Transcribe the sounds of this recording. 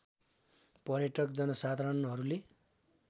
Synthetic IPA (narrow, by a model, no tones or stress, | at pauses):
pʌrjʌʈʌkd͡zʌnʌsad̪ʱaɾʌnɦʌɾule